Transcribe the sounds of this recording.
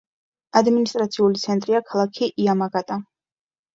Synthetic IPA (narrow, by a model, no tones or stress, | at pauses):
ad̪minist̪ʼɾat̪sʰiulit̪sʰɛnt̪ʼɾiakʰalˠakʰiʔiamaɡat̪ʼa